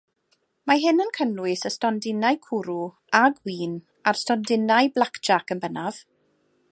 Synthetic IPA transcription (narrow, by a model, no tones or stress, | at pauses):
maɦɪnənkʰənwɨsəstɔndɪnajkʰuɾu | aɡwiːn | arstɔndɪnajblˠakd͡ʒ̥akənbənav̥